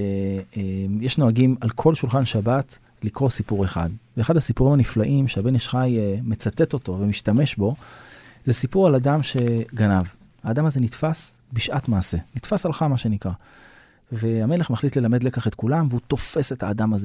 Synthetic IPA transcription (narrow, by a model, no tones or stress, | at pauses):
ejeʃno̞aɡimalkʰo̞lʃulχanʃabat̪ | likʁo̞sipuʁe̞χa̰dveːχadhasipuʁimaniflaʔimʃeabe̞neʃχajme̞t͡sat̪e̞t̪o̞t̪o̞vemiʃtame̞ʃbo̞zesipuʁalad̪amʃe̞ɡanav | haːd̪amazenit̪fasbiʃʔatmaːse̞nit̪fasalχamaʃe̞nikʁa | ve̞ame̞le̞χmaχlitle̞lamedlekaχet̪kulamveut̪o̞fese̞t̪haːdamaze